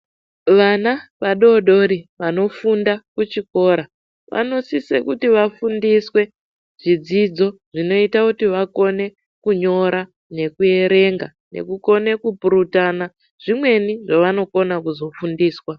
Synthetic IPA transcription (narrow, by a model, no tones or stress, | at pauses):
ʋanaʋaɗo̞ɗo̞ɾiʋano̞fundakut͡ʃiko̞ːɾa | ʋa̰no̞sisḛkutiʋafundiswe̞ | ʐ̥id͡zid͡zo̞ | ʐino̞itakutiʋako̞ne̞ | kuɲo̞ɾa | ne̞kue̞ɾe̞ŋɡa | ne̞̰kuko̞ne̞kupuɾutana | ʐ̥imwe̞niʐaʋano̞ko̞nakuzo̞fundiːswa